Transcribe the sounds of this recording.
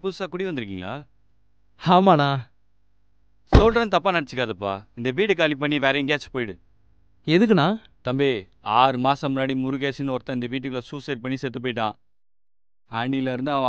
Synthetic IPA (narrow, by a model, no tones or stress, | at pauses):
pʊɯsaːkʊɽiʋɐnd̪ɯɾɯk̬ːiːŋɡa̰ː | aːmaːnaː | soːlʈɾɐnt̪ɐpːaːnɐɽɐt͡ʃːɯkːaːðɐpːa̰ːɪnd̪ɐʋiːʈɯkːaːlipːɐɳːiʋeːɾɐŋɡaːt͡ʃpoːjɪɽɯ | ɛðɯk̬ːɯnãː | t̪ɐmbeː | aːɾɯmaːsɐmnːaːɽimʊɾɯkeːsɪnɐɔɾɐt̪ːɐ̃ɪnd̪ɐʋiːʈ̬ːɯkɐlɐsuːseːɾ̚pɐɳːisɛt̪ːɯp̬oːjɪʈ̬ːãː | aːɳilɐɪɾɯnd̪aː